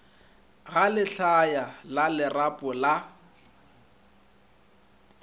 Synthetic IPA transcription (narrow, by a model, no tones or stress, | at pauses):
ɣalɪɬajalalɪrapʼʊla